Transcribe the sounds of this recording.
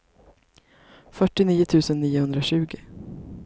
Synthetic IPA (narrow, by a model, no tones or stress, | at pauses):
fœʈːɪniːʊt̪ʰʉ̟ːsənːiːʊhɵnd̪ɾaɕʉ̟ːɡɪ